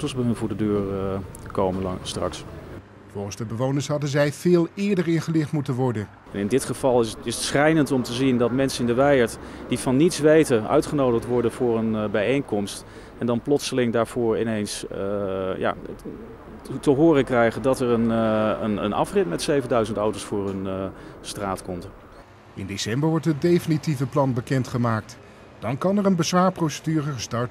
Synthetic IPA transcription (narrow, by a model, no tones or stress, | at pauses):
təlsbəɦənvuːdədøːɹkowməstrɑ̰ks | vʊːχən̩zdəbəʋownəɹsɦɑdənzɛjv̥ɪːlˠɪːɹdəɹɪnχəlɪχtmutənʋɔɹdən | ɛnɪndɪtχəv̥ɑlˠɪɪsətsχɛjnəntɔmtəzindɑtmɛnsənɪndəʋɛjəɹtd̥ivɑnːitsʋejtəœ̰ɥtχənowdəχtʋɔɹdənvʊːrənbɛjejŋkɔmst | ɛndɑnplɔtsəlɪŋdaːɹv̥ʊːɹɪnejns | ja̰ː | təɦʊːrəkrɛjχədɑtəɹənənə̰nɑ̰frɪtmɛtsejvəndœɥzəntɔwtowsfʊːrɵnstraːtkɔmt | ɪndesɛmbəɹʋɔɹtɦət̚dejfənitivəplɑnbəkɛntχəmaːk̚t | d̥ɑnkɑnɛrənbəzʋaːɹprowsədyːrəχəstɑɹt